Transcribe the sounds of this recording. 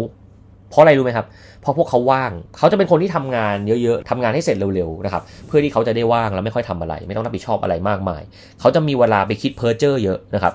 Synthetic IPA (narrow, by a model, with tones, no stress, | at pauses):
pʰɔ˦˥a˧ɾa˧jɾu˦˥ma˦˥jkʰa˦˥p̚ | pʰːɔ˧˦pʰu˥˩əkʰːa˦˥wːaː˥˩ŋkʰa˦˥wt͡ɕa˨˩pe˧nkʰo˧nt̪ʰiː˥˩t̪ʰa˧mŋaː˧njɤ˦˥ʔjɤ˦˥t̪ʰa˧mŋaː˧nha˥˩jse˨˩t̪̚ɾe˧wɾe˧wna˦˥kʰa˦˥p̚pʰːɯ˥˩t̪iː˥˩a˦˥wt͡ɕa˨˩da˥˩jwaː˥˩ŋla˦˥ma˥˩jxɔ˥˩t̪ʰa˧mʔa˧ɾa̰˧jma˥˩jt̪ŋɾp̚ʰi˩t̪̚ʰɔː˥˩p̚ʔa̰˧ɾa˧jmaː˥˩k̚ma̰ː˧j | kʰa˦˥wt͡ɕa˨˩ʔmiː˧weː˧laː˧p̬a˧jkʰi˦˥t̪̚pʰɤː˦˥t͡ɕɤː˥˩jɤ˦˥ʔna˦˥kʰa˦˥p̚